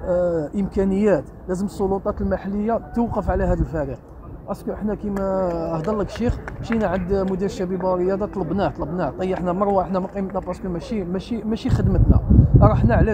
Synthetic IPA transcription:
ʔəmkænəjːæt̪ | læzəməsˤːolut̪ˤɑt̪əlmaħalːəjːat̪uwqəfʕlæɦæd̪əlfæɾiq̚ | ʔæskʊʔəħnækimæəhd̪ɑlːəkʃixʃinʕənd̪mʊd̪iɾʃæbibɑɾəjːɑd̪ɑt̪ˤləbnaht̪ˤləbnaht̪ˤɑjəħnæmɑɾˤwaəħnæmæqijmət̪næpɑskulmæʃimæʃimæʃixəd̪mət̪næ̰ɾˤɑħnaʕlæ

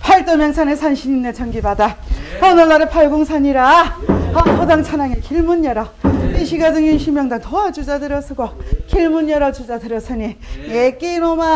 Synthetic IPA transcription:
pʰaɭt͈ʌmjʌŋsʰanesʰanɕʰiɲinːet͡ɕʌŋɡibadapʌnʌlːaɾɯpʰaɭɡoŋsʰaɲiɾaʌpʰʌdaŋt͡ɕʰanaŋekiɭmunjʌɾʌiɕʰiɡad͡ʑɯŋinɕʰimjʌŋdaŋtoad͡ʑud͡ʑadɯɾʌsʰɯɡokiɭmuɲjʌɾʌd͡ʑud͡ʑadɯɾʌsʰɯɲijek͈inoma

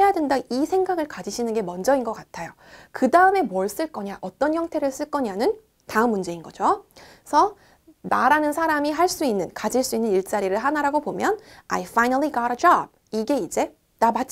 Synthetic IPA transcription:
ejadwendaisʰe̞ŋɡaɡɯɭkad͡ʑiɕʰinɯnɡe̞mʌnd͡ʑʌinɡʌk͈atʰajo | kɯdaɯme̞mʌɭs͈ɯɭk͈ʌɲaʔʌt͈ʌnçjʌŋtʰe̞ɾɯɭs͈ɯɭk͈ʌɲanɯn | taɯmːund͡ʑe̞inɡʌd͡ʑosʰʌ | naɾanɯnsʰaɾamiɦaɭs͈uinːɯnkad͡ʑiɭs͈uinːɯniɭt͡ɕ͈aɾiɾɯɭɦanaɾaɡopomjʌna̰jfajnaliɡaɾʌd͡ʑʌb̚ | iɡe̞id͡ʑe̞ | namat͡ɕ͈

